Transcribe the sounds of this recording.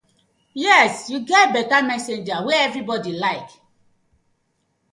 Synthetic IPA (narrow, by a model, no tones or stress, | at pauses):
jɛsjuɡɛt̚bɛtamɛsẽnd͡ʒaweɛvɹibɔdilaɪk